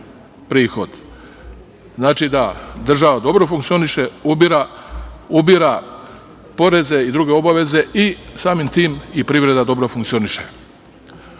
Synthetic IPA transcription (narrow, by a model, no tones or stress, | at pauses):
pɾiːxo̞d̪̥ | znaːt͡ʃid̪ad̪r̩ʒaʋad̪o̞bɾo̞fuŋkt̪sio̞niʃeubɾa | ubiɾa | po̞ɾe̞ze̞id̪ɾuɡe̞o̞baʋe̞ze̞ʔisaːmimt̪iːmipɾiʋɾe̞d̪ad̪o̞bɾo̞fuŋk̪io̞niʃe̞̰